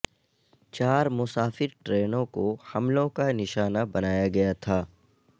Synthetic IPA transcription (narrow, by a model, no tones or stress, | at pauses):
t͡ʃaːɾmʊsaːfɪɾʈɾeːnõkohɐmlõkanɪʃaːnabɐnaːjaɡɐjat̪ʰaː